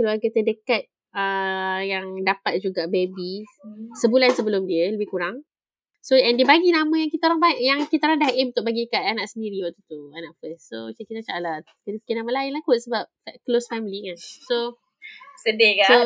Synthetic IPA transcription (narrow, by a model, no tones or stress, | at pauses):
kəluarɡat̪ədəkat̪̚ | əjaŋdapat̪̚d͡ʒuɡaʔbebisəbulansəbəlʊmdiələbɪhkuɾaŋ | soɛndiəbaɡinãmãjaŋkit̪aoɾaŋbaɪʔjaŋkit̪aɾaŋdaɦʔɪunt̪ʊk̚baɡidəkat̪̚anaʔsəndiɾiwat̪ut̪uanaʔfəssot͡ʃəkit̪at͡ʃa̰ʔla | kənəpikɪnamalaɪnlakutsəbap̚klosfɛmilikanso | sədekao